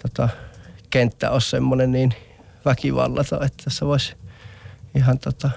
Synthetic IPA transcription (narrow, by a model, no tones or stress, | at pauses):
t̪ot̪ɑkent̪ːæ̰oˑsʲsemːonenniːn | ʋækiʋɑ̰lːɑt̪o̰et̪ːæseoˑesʲ | ihɑnt̪ot̪ɑ